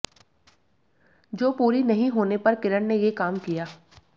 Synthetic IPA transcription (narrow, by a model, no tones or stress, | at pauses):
d͡ʒoːpuːɾinɐɦĩɦoːnepɐɾkɪɾəɽnejekaːmkijaː